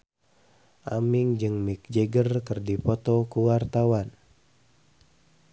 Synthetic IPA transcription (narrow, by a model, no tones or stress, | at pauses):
ʔamiŋd͡ʒɨŋmik̚d͡ʒeɡərkɨrdipɔt̪ɔkuwart̪awan